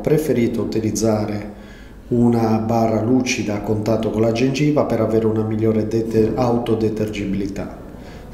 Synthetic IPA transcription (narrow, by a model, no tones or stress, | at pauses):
pɾefeɾiːt̪out̪ilid̪zːaːɾe | unabaːrːaluːt͡ʃid̪aːkːont̪at̪ːokolad͡ʒend͡ʒiːvapɛɾavɛːɾeunamiʎːɔːɾeawt̪od̪ɛt̪erd͡ʒibilit̪a̰